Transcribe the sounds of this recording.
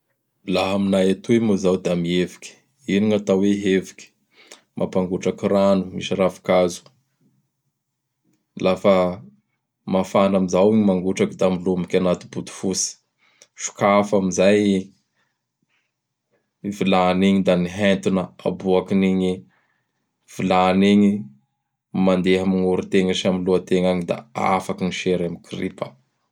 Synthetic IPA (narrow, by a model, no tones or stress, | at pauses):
laɦaminaet̪uwemuzawd̪amievikʲi̥ | iniŋat̪aweɦevi̥kʲi̥ | mʔa̰paŋɡuʈ͡ʂakiranumḭʃirafi̥kazu̥ | lafə | mafanamizawiɲimaŋɡuʈ͡ʂakid̪amilumikʲanat̪ibud̪u̥fusi̥ | fi̥kafamizaj | vilaniɲid̪aniɦent̪unəa̰buakiniɲi | v̥ilaniɲi | mand̪eɦamiŋuɾit̪eŋaʃamiluat̪eŋaɲid̪a̰a̰fakiniʃeɾamikripə